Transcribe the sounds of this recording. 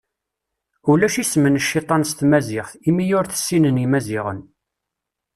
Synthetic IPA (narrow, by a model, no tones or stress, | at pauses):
ulæʃismənəʃːit̪ˤɑnst̪mæzɪʁθimijʊɾθə̥sːinənimæzɪʁə̰n